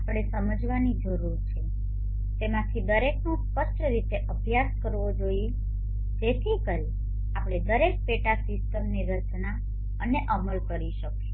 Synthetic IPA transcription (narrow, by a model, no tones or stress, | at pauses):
apɽ̃esəməd͡ʒʋanid͡ʒəɾuɾt͡ʃʰe | t̪emãt̪ʰid̪əɾeknũskəʃt͡ʃəɾit̪eʔəbʱjaskəɾʋod͡ʒoije | d͡ʒet̪ʰikəl | apɽ̃ed̪əɾek̚peʈasɪsʈəmniɾət͡ʃna | əneʔəməlkəɾiʃəkʃe